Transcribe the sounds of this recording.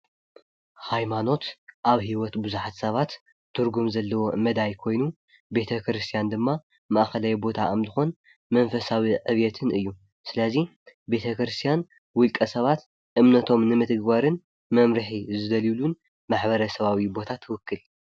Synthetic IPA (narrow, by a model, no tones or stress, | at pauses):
hajmano̞t̪ʔaβhiwɔt̪bɨzuħat̪sɐβat̪ | t̪ʰːɨɾɡumzɐlːɐwo̞mɐd̪ajkʰo̞jnu | be̞t̪ʰɐkɾɨst̪ʰijand̪ɨmːa | mɐʔxɐlajbo̞t̪ʰamzɨxo̞n | mɐnfɐsawiʕɨβjɛt̪ʰɨnɨjːu | sɨlɐzi | be̞t̪ʰɐkɾɨst̪ʰjan | wʊlkʼɐsɐβat̪ | ʔɨmnɐt̪ʰo̞mnɨmɨt̪ɨɡbaɾɨn | mɐmɾɨħizɨd̪ɐlilun | maħbɐɾɐsɐβawibo̞t̪ʰat̪ʰːɨwʊkːɨl